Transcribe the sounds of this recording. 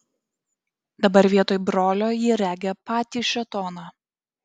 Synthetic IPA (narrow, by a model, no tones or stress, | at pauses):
d̪ɐbɐɾʲʋʲiɛt̪oːjbɾoːlʲoːjiːɾʲæːɡʲɛpɑːt̪ʲiːʃʲɛt̪ɔːnɑː